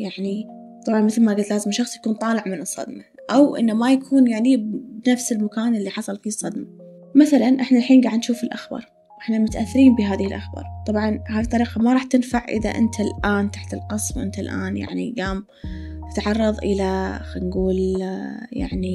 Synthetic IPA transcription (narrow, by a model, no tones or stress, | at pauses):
jaʕni | t̪ˤɑbʕɑnmɪθlmaɡad̪laːzɪmʃɑxsˤjakuːnt̪ˤɑːlɪʕmɪnɨsˤːɑ̰d̪ma | ʔawʔɪ̰nːamajakʰuːnjaʕnibbnafsɪlmakaːnʔɪlːiħɑsˤɑlfiːsˤːɑd̪ma | maθalanʔɪħnalħiːnɡaːʕd̪nʃuːfɪlʔaxbɑ̰ːɾˤ | ʔɪħnamʊt̪aʔaθːɪɾiːmbɪɦaːðɪhɪlʔaxbɑ̰ːɾˤt̪ˤɑbʕɑnhaːðit̪ˤːɑɾiːqɑmaɾˤɑːħt̪ɪnfaʕʔɪ̰ða̰ʔɪ̰nt̪ʰalʔaːnt̪aħt̪ɪlqɑsˤwʔɪ̰nt̪alʔa̰ːnja̰ʕnḭɡaːm | t̪ɪ̥t̪ʕɑrˤːɑðˤʔəlaxanɡuːl | ja̰ʕni